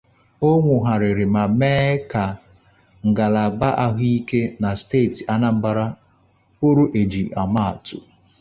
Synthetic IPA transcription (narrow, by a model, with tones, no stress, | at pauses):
o˦ŋʷʊ˨ɦa˨ɾɪ˨ɾɪ˨ma˨meː˦ka˨ | ŋ̩˨ɡa˨la˨ba˦ʔa˦ɦi˦ke˦na˨steː˦˨ti˨a˦na˦m̩˦ba˨ɾa˦ | o˦ɾu˦ʔe˨d͡ʒi˨a˨ma˦˨a˨tʊ̰˨